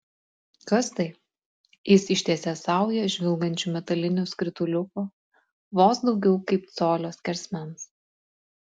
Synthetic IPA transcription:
kɐst̪ɐɪ | jɪsɪʃʲt̪ʲiɛsʲɛsɑˑʊjɛʒʲʋʲɪlˠɡɐnʲt͡ʃʲumʲɛt̪ɐlʲɪnʲosʲkɾʲɪt̪ʊlʲʊkoː | ʋoːsd̪ɒʊɡʲɛʊkɐɪp̚t̪soːlʲoːskʲɛɾʲsʲmʲɛns

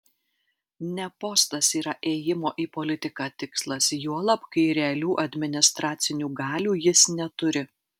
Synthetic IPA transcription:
nʲɛpoːst̪ɐsiːɾɐʔeːjɪmoːʔiːpolʲɪt̪ʲɪkɑːt̪ʲɪkslˠɐsjuɔlˠɐpkɐɪɾʲɛɐlʲuːʔɐd̪ʲmʲɪnʲɪst̪ɾɑːt̪sʲɪnʲuːɡɑːlʲuːjɪsnʲɛt̪ʊɾʲɪ

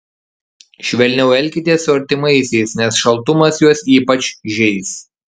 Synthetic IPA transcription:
ʃʲʋʲɛlʲnʲɛʊɛlʲˑkʲɪt̪ʲiɛsʊɐɾʲt̪ʲɪmɐɪsʲɛɪsnʲɛsʃɐlˠt̪ʊmɐsjuɔsiːpɐt͡ʃʲʒʲɛɪs

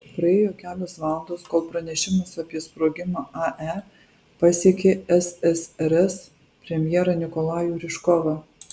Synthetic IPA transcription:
pɾɐeːjoːkʲæːlʲoːsʋɑːlˠɐnd̪oːskoːlˠpɾɐnʲɛʃʲɪmɐsɑːpʲiɛspɾoːɡʲɪmɑːʔɑʔɛ | pɑːsʲiɛkʲeːɛsɛsɛɾɛs | pʲɾʲɛmʲjɛːɾɐnʲɪkɔlˠɑːjuːɾʲɪʃkɔːʋɐ

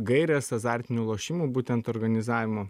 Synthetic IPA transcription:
ɡɐɪɾʲɛːsɐzɑːˑɾʲt̪ʲɪnʲuːlˠoːʃʲimuːbuːt̪ʲɛnt̪ɔːɾɡɐnʲɪzɑːʋʲɪmoː

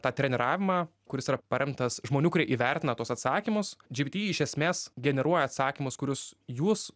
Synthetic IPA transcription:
t̪ɑːt̪ʲɾʲɛnʲɛɾɑːʋʲɪmɑːkʊɾʲɪsiːɾɐpɐɾʲɛmt̪ɐsʒmoːnʲuːkʊɾʲiɛʔiːʋʲɛɾʲt̪ʲɪnɐt̪uɔsɐt̪sɑːkʲimʊsd͡ʒʲɪbʲit̪ʲiːɪʃʲɛsʲmʲeːsɡʲɛnʲɛɾuɔjɛɐt̪sɑːkʲimʊskʊɾʲʊsjuːs

